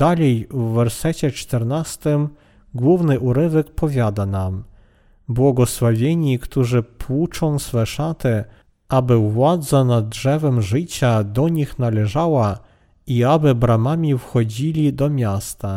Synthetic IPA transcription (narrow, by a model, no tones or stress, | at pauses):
d̪alʲɛjvːɛɾsɛt͡ɕɛt͡ʂt̪ɛɾnast̪ɘm | ɡwuvnɘʔuɾɘvɛkpɔvʲjad̪anam | bwɔɡɔswavʲjeɲikt̪uʐɘpʰwut͡ʂɔ̃w̃sfɛʂat̪ɘ | ʔabɘvwad̪zanad̪̚ʐɛvɛmʐɘt͡ɕad̪ɔɲixnalɛʐawa | iabɘbɾamamʲifxɔd͡ʑilʲid̪ɔmʲjast̪a